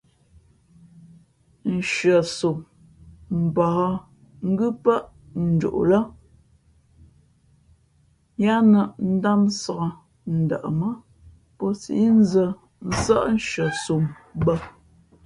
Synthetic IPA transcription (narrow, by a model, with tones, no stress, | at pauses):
n̩˨ʃɥə˨su˨m | m̩˨bɔ˨hə˦ | ŋ̩˦ɡʉ˦pə˦ʔ | n̩˨d͡ʒṵ˨ʔlə˦ | ja˦nə˨n̩˦da˦nsə˨ɣə˨ | n̩˨də̰˨ʔə˨mə˦ | pɔ˦sḭ˨˦n˦zə˨ | n̩˨˦sə˦ʔn˦˨ʃɥə˨su˨mbə˦